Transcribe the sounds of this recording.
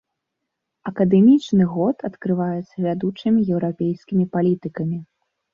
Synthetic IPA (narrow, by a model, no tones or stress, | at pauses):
ɐkɐd̪ɛmʲit͡ʂnɨɣɔt̪ʰɐt̪kɾɨvajɛt̪sːɐvʲad̪ut͡ʂɨmʲijɛwɾapʲejskʲimʲipalʲit̪ɨkɐmʲi